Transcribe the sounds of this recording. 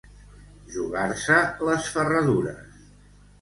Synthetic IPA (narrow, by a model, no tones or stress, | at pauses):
ʒuɣaɾsələsfərəðuɾə̰s